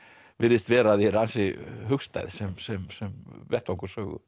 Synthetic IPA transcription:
vɪɾðɪst̪vɛːɾaðɛɾansɪɦʏxst̪a̰jðsɛmsɛmsɛmvɛht̪awŋksœːɣʏ̰

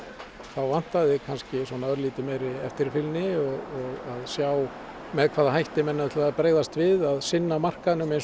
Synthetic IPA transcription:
θawvan̥t̪aðɪkʰanscɪswɔːnaœɾliːt̪ɪmɛjɾɪɛft̪ɪɾfɪlnɪɔɣɔɣaðsjaw | mɛðkʰvaːðaɦajht̪ɪmɛnːaʏt̪laðpɾeːjɣðast̪vɪðaðsɪnːamar̥kaðnʏmejns

